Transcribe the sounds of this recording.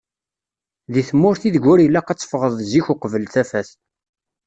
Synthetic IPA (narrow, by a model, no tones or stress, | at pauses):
ðiθmːʊɾθiðɡʷʊɾilːæqɑt͡sːə̥fʁəðˤziçuqəvəlθæfæs